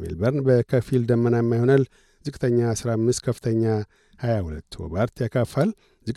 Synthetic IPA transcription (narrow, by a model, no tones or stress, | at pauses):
mḛlbəɾnbəkʰəfild̪əmːənajɛmːajhonəl | zɨkʼt̪ʰəɲːasɨɾamːɨst̪kʰəfːɨ̥t̪ʰəɲːa | hajahulət̪ːwɔ̰baɾt̪ʰjakʰafal | zɨkʼ